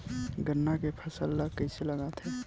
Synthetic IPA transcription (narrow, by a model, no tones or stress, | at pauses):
ɡənːakepʰəsəlːakːəjseləɡat̪ɦɛ